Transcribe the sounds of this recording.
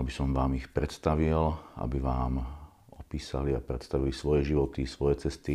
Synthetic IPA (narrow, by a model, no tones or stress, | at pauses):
abisɔmʋaːmixpɾɛt̪st̪aʋila̰biʋaːm | ɔpiːsa̰liapɾɛt̪st̪aʋilisʋɔjɛʒiʋɔt̪isʋɔjɛt͡sɛst̪i